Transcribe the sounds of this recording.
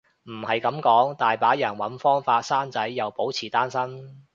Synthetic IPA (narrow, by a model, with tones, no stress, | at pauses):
m̩˨˩hɐ˨jkɐ˨˥mkɔː˨˥ŋt̪aː˨jpaː˨˥jɐ˨˩nwɐ˨˥nfɔː˥ŋfaː˧t̚saː˥nt͡sɐ˨˥jːɐ˨˩wpo˨˥wt͡sʰiː˨˩t̪aː˥nsɐ˥n